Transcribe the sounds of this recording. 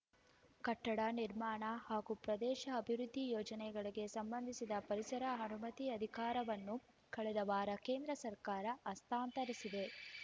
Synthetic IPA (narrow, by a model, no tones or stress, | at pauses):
kɐʈːɐɽɐniɾmaːɳɐhaːɡupɾɐd̪ɛːʃɐːbʱiɾud̪ʱːijɔːd͡ʒɐnɛɡɐɭiɡe̞sɐmbɐnd̪ʱisid̪ɐpɐɾisɐɾɐɦɐnumɐt̪iɐd̪ʱikaːɾɐʋɐnːu | kɐɭɛd̪ɐʋaːɾɐke̞ːnd̪ɾɐsɐɾkaːɾɐːst̪ʰaːnt̪ɐɾisid̪e̞